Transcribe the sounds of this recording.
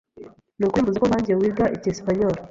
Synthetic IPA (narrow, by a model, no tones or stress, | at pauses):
nukwemuzikoβaːɲɟijewiːɡaʔicespaɲoɾo